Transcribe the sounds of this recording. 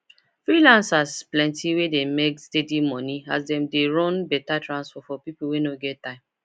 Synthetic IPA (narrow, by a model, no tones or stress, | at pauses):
fɾilãnsasplɛ̃ntiwedemekstedimɔniazdɛmdeɾɔ̃nbɛtatɾãnsfɔfɔpipl̩wenoɡɛtːãɪ̃m